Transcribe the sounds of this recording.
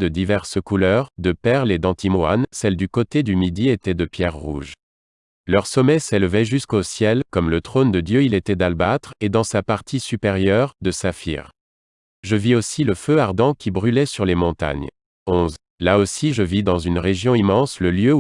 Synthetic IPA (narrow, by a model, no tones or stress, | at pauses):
d̪əd̪ivɛʁsəkulœʁd̪əpɛʁled̪ɑ̃t̪ima̰nsɛld̪ykot̪ed̪ymid̪iet̪ɛd̪əpjɛʁːṵʒ | lœʁsɔmɛselvɛʒyskosjɛlkɔmlət̪χond̪əd̪jøilet̪ɛd̪albat̪χed̪ɑ̃sapaʁt̪ʰisypeʁjœʁd̪əsafḭʁ | ʒəviosiləføaʁd̪ɑ̃kʲibʁylɛsyʁlemɔ̃t̪a̰ɲ | ɔ̃z | laosiʒəvid̪ɑ̃zynʁeʒjɔ̃imɑ̃sləljø